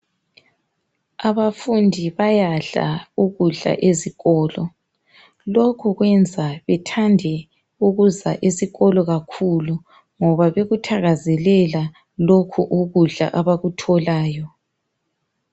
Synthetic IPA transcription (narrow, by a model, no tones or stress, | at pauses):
aβafundʱiβajaɮa̰uɣuɮa̰ʔeziɣɔːlɔ | lokʰuɣwɛnd͡zʱaβɛtʰandʱɛ | uɣuzaʔesiɣɔlɔɣakʰulu | ŋɔβaβeɣutʰaɣazɛlɛla | lokʰuʔuɣuɮa̰ʔaβaɣutʰɔlaːjɔ